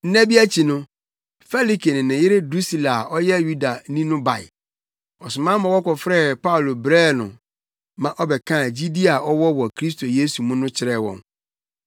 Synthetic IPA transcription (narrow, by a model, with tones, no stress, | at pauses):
n̩˦næ̃˦bi˦æ˦t͡ɕʰi˨nʊ̃˦ | fɛ˦li˦kʰe˨nɪ̃˨nɪ̃˨jɪ˦ɾɪ˦dɾu˦si˦˨la˨ʔɔ˦jɛ˦ju˦da˨nĩ˦nʊ̃˦ba˨ɪ̰˨ | ɔ˨sʊ˨mã˦mã˨wɔ˦kʰɔ˨fɾɛ˦pa˦ʊ˨lo˨bɾɛː˦˨nʊ̰̃˨ | mã˨ʔɔ˦bɛ˨kʰã˦˨d͡ʑi˦di˦a˨ʔɔ˦wɔ˦wɔ˨kʰɾi˦s̬tʰo˨je˦su˨mũ˦nʊ̃˦t͡ɕʰɪ˦ɾɛ˦˨wɔ̰̃˨n